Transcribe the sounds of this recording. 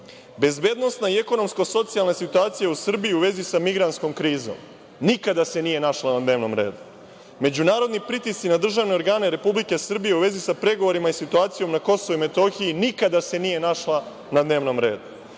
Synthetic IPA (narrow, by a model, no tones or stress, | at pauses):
be̞zbe̞ːd̪no̞snaie̞ko̞no̞msko̞so̞t̪sialˠne̞sit̪uaːt̪sijausr̩bijiuʋe̞zisamiɡɾant̪sko̞mkɾiːzo̞̰m | nikad̪ase̞niːje̞naʃlanad̪ne̞ːʋno̞mɾe̞̰ːd̪u | me̞d͡ʑunaːɾo̞d̪nipɾit̪ist̪inad̪r̩ʒaʋne̞oɾɡaːne̞ɾe̞publike̞sr̩bije̞uʋe̞zisapɾe̞ɡo̞ʋo̞ɾimaisit̪uaːt̪sijo̞mnako̞soʋuime̞t̪o̞xijinikad̪ase̞nije̞naʃlˠa | nad̪ne̞ːʋnomɾe̞ːd̪u